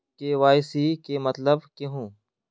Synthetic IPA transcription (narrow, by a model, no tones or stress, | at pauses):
keʋaːɪsikemɐt̪ləbkeɦũː